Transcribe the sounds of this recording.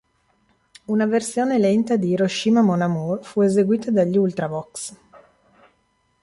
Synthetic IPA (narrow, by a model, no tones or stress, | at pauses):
unaversjoːnelɛnt̪ad̪iɾoʃiːmamonamurfuezeɡwiːt̪ad̪aʎːult̪ɾabɔks